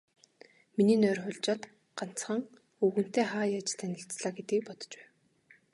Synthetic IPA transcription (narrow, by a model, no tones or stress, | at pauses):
miniːnœːrχʊɮt͡ɕaːt̪ | ɢan̥t͡sχə̆ŋ | xuːɣɘ̆n̥t̪eːχaːjaːt͡ɕt̪ʰænʲɪ̆ɬt͡sɮaːɡet̪ɡiːk̚pɔt̪ɞ̥̆t͡ɕpæ̥ːw